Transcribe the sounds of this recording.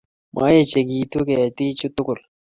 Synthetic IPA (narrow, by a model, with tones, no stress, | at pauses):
mʔa̰˦je˦˨t͡ʃe˨ɡi˨t̪u˦kɛ˨t̪i˦t͡ʃʊ˦t̪ʊ˦kʊ˨l